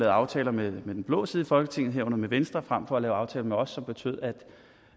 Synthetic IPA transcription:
lɛːð̩ˠɑ̈ʊt͡sʰɛːlɐmemed̥enb̥lɔ̰̽ːsið̩ˠifɒ̽lɡ̥ət͡sʰe̝ŋ̰ð̩ˠɦeɐ̰ʊnð̩ˠmeʋensd̥ʁɐfʁam̰fɒ̽ælɛːʊɑ̈ʊt͡sʰɛːlɐmeɒ̽sːɒ̽mb̥e̝t͡sʰø̰ð̰ˠæd̥

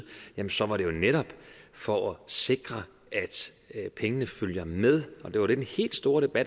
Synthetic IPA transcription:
jæmənsɒ̽ʋɑ̈ɾe̝jo̝neɾɒ̽b̥fɒ̽ʔæse̝ɡ̥ʁɐ | ʔæd̥ | pʰeŋənəføljɐmeð̞ˠɒ̽d̥e̝ʋɑ̈ɾ̥e̝d̥enhe̝̰ːld̥sd̥o̝ːɐɾ̥e̝b̥æd̥

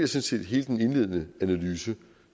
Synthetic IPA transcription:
ɐsɔ̽nsʰe̝̰ːd̥ɦe̝̰ːld̥ene̝nle̝ð̞̰ˠənəænælyːsə

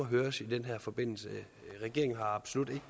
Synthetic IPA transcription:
ɒɦøːɐsid̥enɦæɐ̰fɒ̽b̥e̝n̰l̩sə | ʁɛɡ̥e̝ɐ̰eŋn̩ɦɑ̈ɑ̈b̥so̝lud̥e̝ɡ̥ə

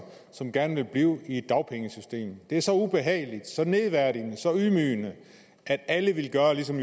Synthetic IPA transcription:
sɒ̽mɡ̥æɐnʋe̝lb̥liːʊie̝d̥ːɑ̈ʊpʰeŋəsysd̥e̝̰ːmd̥e̝æɐsɒ̽ub̥e̝ɦɛ̰ːɪlid̥sɒ̽ne̝ðˠʋæɐ̰ɾ̥inəsɒ̽ymyːnə | ʔæd̥æləʋe̝lɡ̥ɶːɐlisɒ̽m

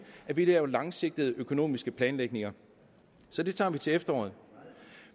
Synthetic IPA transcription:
ʔæʋiləælɑ̈ŋse̝ɡ̥̚d̥əð̞̩ˠəʔøkʰo̝no̝̰ːmisɡ̥əpʰlɛːnleɡ̥ne̝ŋɐ | sɒ̽d̥e̝t͡sʰɑ̰̈ːʋit͡sʰe̝efd̥ɐɒ̰ːð̞̩ˠ

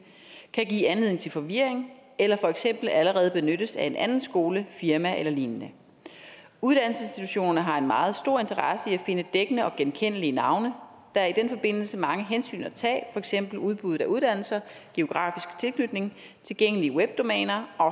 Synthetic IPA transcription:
kʰæɡ̥ḭːænliðˠeŋ̩t͡sʰe̝lfɒ̽ʋiɐ̰e̝ŋelɐfɒ̽eɡ̥sem̰b̥l̩æləʁɛːð̞̩ˠb̥e̝nøɾ̥əsæe̝nʔænn̩sɡ̥o̝ːləfiɐmæʔelɐliːnnə | uð̞ˠd̥ænl̩səsnsd̥it͡sʰuɕo̝̰ːnɐnɐɦɑ̈e̝nmɑ̈ːð̞̩ˠsd̥o̝ɐ̰e̝nt͡sʰɐʁɑ̈səiæfe̝nəd̥eɡ̥ənəɒ̽ɡ̥enkʰen̰əliənɑ̈ʊnə | d̥ɑ̈æɐid̥en̰fɒ̽b̥e̝n̰l̩səmɑ̈ŋəɦensy̰ːnɒt͡sʰɛ̰ːfɒ̽eɡ̥sem̰b̥l̩uð̞ˠb̥uð̩ˠæuð̞ˠd̥æn̰l̩sɐɡ̥e̝o̝ɡ̥ʁɑ̰̈ːfisɡ̥t͡sʰe̝lkʰnyd̥ne̝ŋ | t͡sʰe̝lɡ̥eŋ̰əliəweb̥̚d̥o̝mɛ̰ːnɐɒ̽

